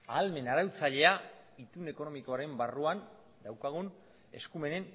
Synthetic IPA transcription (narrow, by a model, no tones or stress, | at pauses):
aːlme̞naɾawt͡saʎe̞ait̪une̞ko̞no̞miko̞aɾe̞mbaruan | d̪awkaɣ̞un | e̞skume̞ne̞n